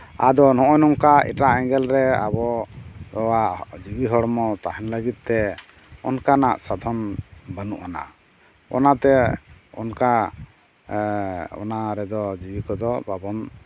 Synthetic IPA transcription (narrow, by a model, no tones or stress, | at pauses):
a̰d̪ɔnɔʔɔnɔŋkaɛ̰ʈaʔɛŋɡɛlɾɛa̰bɔ | ɔwaʔd͡ʒibiɦɔɽmɔt̪aɦɛnləɡit̪̚t̪ɛ | ɔnkanaʔsad̪ʱɔnbənuʔana̰ | ɔ̰nat̪ɛɔ̰nka | ɔ̰naɾɛd̪ɔd͡ʒibikɔd̪ɔbabɔn